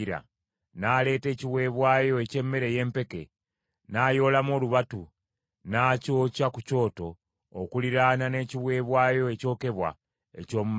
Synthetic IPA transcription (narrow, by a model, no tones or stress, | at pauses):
ɾa̰ | naːle̞ːte̞ːciβwe̞ːβwaːjo̞ece̞mːe̞ɾe̞je̞ːmpe̞ke̞̰ | naːjo̞ːlamo̞ːluβatu | naːco̞ːcakuco̞ːto̞ː | kuliɾanane̞ːciβwe̞ːβwaːjo̞eco̞ːke̞βwa̰ | ḛco̞ːmum